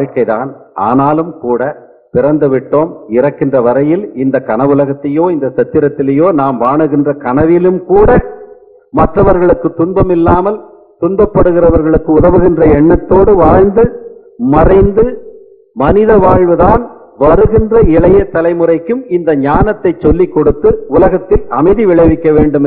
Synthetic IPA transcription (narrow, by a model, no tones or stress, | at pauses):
ɻkːɐɪða̰ːnʔa̰ːnaːlɯmkuːɽɐ | pɪrɐnd̪ɯʋɪʈːoːmɪrɐkːɪndrɐʋɐɾɐjɪlɪnd̪ɐkɐnɐʋʊlɐɣɐt̪ːɐjoːɪnd̪ɐsɛt̪ːɪɾɐt̪ːɪlɐjoːnaːmʋaːɳɯɣɪndrɐkɐnɐʋɪlɯmkuːɽɐ | mɐʈrɐʋɐɾɣɐɭɯkːɯt̪ːʊnbɐmɪlːaːmɐl | t̪ʊnbɐpːɐɽɯɣɪrɐʋɐɾɣɐɭɯkːɯʊðɐʋɯɣɪndrɐɛɳːɐt̪ːoːɽɯʋaːɻnd̪ɯ | mɐrɐɪnd̪ɯ | mɐnɪðɐʋaːɻʋɯðaːn | ʋɐɾɯɣɪndrɐɪɭɐjɐt̪ːɐlɐɪmɯrɐɪkːɯmɪnd̪ɐɲaːnɐt̪ːɐɪt͡ʃːɔlːikːɔɽɯt̪ːɯʊlɐɣɐt̪ːɪlɐmɐɪðiʋɪɭɐɪʋɪkːɐʋeːɳɖɯm